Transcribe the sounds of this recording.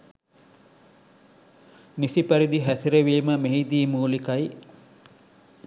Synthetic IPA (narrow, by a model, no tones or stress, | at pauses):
nisipæɾid̪iɦæsiɾeʋiːməmeɦid̪iːmuːlikɐj